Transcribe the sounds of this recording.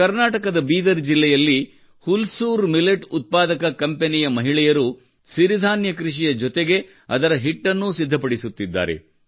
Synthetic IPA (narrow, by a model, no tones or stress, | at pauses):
ɐɾnaːʈɐkɐd̪ɐbiːd̪ɐɾd͡ʒilːɛjɐlːi | hulsuːɾmileʈut̪̚paːd̪ɐkɐkɐmpenijɐmɐɦiɭɛjɐɾu | siɾid̪ʱaːnjɐkɾiʂ̬ijɐd͡ʒɔt̪eɡe̞ | ɐ̰d̪ɐɾɐɦiʈːɐnːusid̪ʱːɐpɐɽisut̪ːid̪ːa̰ːɾe̞̰